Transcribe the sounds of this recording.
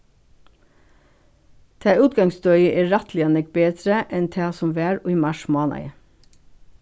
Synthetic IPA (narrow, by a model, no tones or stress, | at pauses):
t̪ʰɑːʉːt̪̚ɡɑŋsd̪œʏəʔeːɹɑt̪lɪɑnɛk̚beːd̪ɾəʔɛnt̪ʰɑːsɔmʋæːɹoːiːmɑʃmɑːnɑ̰ɪ